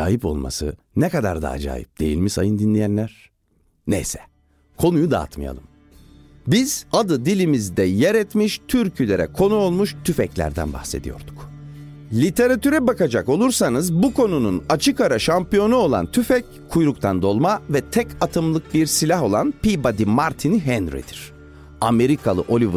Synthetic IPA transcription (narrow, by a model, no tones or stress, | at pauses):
aːjipo̞̰lˠma̰sɯ̰ | nɛkad̪a̰ɾd̪a̰ːd͡ʒa̰ːjḭp̚d̪̥e̞jḭlʲmiʃa̰jɯnd̪inlʲijænlʲæɾ̥ | nḛjsɛ̥ | kʰo̞nujud̪a̰a̰t̪maja̰lˠɯm | biz̥ad̪ɯd̪ilʲimizd̪ɛjeɾɛt̪miʃt̪ʰyɾcʰylʲeɾɛ̰kʰo̞nuo̞lˠmuʃt̪ʰyfɛclʲæ̰ɾd̪æ̰nba̰hse̞d̪ijo̞̰ɾd̪̥u̥k | lʲit̪ʰe̞ɾat̪ʰyɾɛbakad͡ʒako̞lˠuɾsanɯzbukʰo̞nununat͡ʃʰɯkaɾaʃampijo̞nuo̞lˠa̰nt̪ʰyfɛc | kʰːujɾukt̪ʰand̪o̞lˠmavɛt̪ʰɛcʰat̪ʰɯmlˠɯk̚biɾsilʲaɦo̞lˠanpibad̪imaɾt̪ʰiniɦɛnɾḭd̪iɾ̥ | ame̞ɾikʰalˠɯʔo̞lʲiv